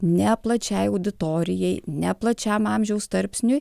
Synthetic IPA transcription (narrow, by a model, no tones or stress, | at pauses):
nʲɛplˠɐt͡ʃʲɛɪɐʊd̪ʲɪt̪oːɾʲɪjɛɪnʲɛplˠɐt͡ʃʲɛmɑmʲʒʲɛʊst̪ɐɾʲpʲsʲnʲʊj